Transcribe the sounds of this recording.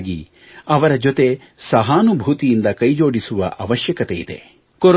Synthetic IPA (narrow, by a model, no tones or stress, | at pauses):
ɡḭ | ɐʋɐɾɐd͡ʒot̪e̞ | sɐɦaːnubʱuːt̪ijind̪ɐkɐjd͡ʒo̞ːɽisuʋɐ̰ʔɐʋɐʃjɐkɐt̪e̞jid̪e̞̰ | koɾ